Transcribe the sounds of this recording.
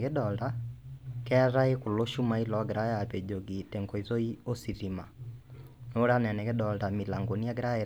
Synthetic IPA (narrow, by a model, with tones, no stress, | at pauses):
ke˦ɗɔ˨lda˦kɛ˦ɾa˦e˦ko˨lo˦ʃu˦ma˦i˦lɔ˨˦ɡe˨ɾa˦a˨pe˨d͡ʒo˨ɡi˨te˨ŋko˨i˨zo˦i˦o˦si˨ɾi˨ma̰˨ | no˦ɾa˦nɛ˨nɛ˨ke˦dɔ˨lda˨mi˨la˨ŋɡo˨ni˦a˦ɡɾa˦e˨